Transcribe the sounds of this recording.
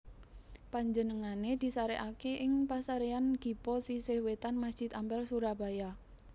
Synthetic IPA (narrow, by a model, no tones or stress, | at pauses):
paɲd͡ʒənəŋaned̪̥i̤saɾɛʔakeʔɪŋpasaɾeanɡ̥i̤pɔsisehwet̪anmasd̥d͡ʒ̥i̤t̪ambɛlsuɾaba̤ja